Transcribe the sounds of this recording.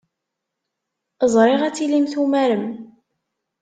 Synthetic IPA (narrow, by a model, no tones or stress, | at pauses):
əzˤɾˤɪʁæt͡sːilimθumæɾəm